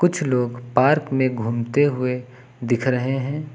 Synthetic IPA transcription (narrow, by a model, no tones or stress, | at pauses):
kʊt͡ʃʰloːɡpaːɾkmẽɡʱuːmt̪eɦʊe | d̪ɪkʰɾɐɦeɦɛ̃ː